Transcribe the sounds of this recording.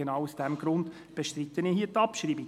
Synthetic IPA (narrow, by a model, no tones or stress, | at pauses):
enaʊusd̥ɛmɡɾʊnd | b̥eʃtrɪt̪ːənihiːtɑpʃriːbi